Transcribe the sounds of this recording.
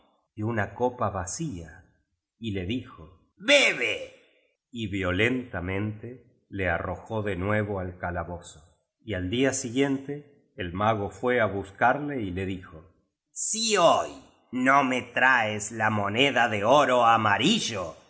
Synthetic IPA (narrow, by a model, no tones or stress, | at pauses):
djounakopaβasia | ile̞ðixo | βeβe | iβjo̞le̞nt̪amẽ̞nt̪e | learoxo̞ðe̞nwe̞βoalkalaβoso | iald̪iasiɣje̞nt̪eː | lmaɣofwe̞aβuskaɾle̞ile̞ðixo | sioj | nomet̪ɾaeslamo̞neðaðeoɾoamaɾiʒo